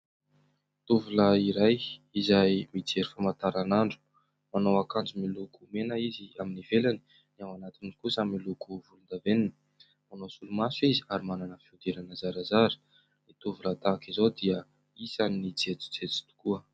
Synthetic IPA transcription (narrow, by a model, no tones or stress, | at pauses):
t̪uvuləiɾajizajmit͡seɾifamat̪aɾanaɳɖ͡ʐu̥ | manowakand͡zimilukumenəiziaminivelani | nawanat̪inikusamilukuvulund̪aveninə̥ | manosulumasuizi̥aɾimananəfiud̪eɾanəzaɾazaɾi̥ | let̪uvulət̪akizod̪iə | isannid͡zet͡si̥d͡zet͡si̥t̪u̥kuə